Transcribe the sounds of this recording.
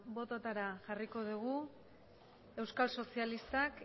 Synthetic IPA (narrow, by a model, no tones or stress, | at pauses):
bo̞t̪at̪aɾaʝariko̞ð̞uɣu | e̞wskalso̞sialist̪ak